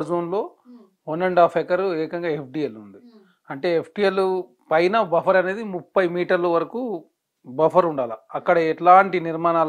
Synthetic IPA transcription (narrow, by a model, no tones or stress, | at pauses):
ɾzoːnlo̞ː | onːeɳɖaːpʰekɐɾeːkɐŋɡaːep̚ʰɖiːelund̪i | ɐɳʈe̞ːepʰɖielu | pɐjnɐbɐpʰɐɾɐne̞ːd̪imupːɐjmiːʈɐɾlɐʋɐɾɐkuː | bɐpʰɐɾuɳɖaːlɐɐkːɐɽɐeʈlaːɳʈiniɾmaːnaː